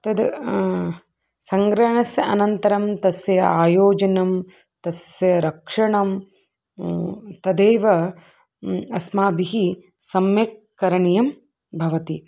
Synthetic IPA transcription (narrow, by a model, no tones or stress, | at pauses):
t̪ɐd̪ | sɐŋɡɾɐɳɐsjɐɐnɐnt̪ɐɾɐmt̪ɐsjɐaːjoːd͡ʒɐnɐmt̪ɐsjɐɾɐkʂɐɳɐm | t̪ɐd̪eːʋɐ | ɐsmaːbiɦi | sɐmjekːɐɾɐɳijɐm | bʱɐʋɐt̪i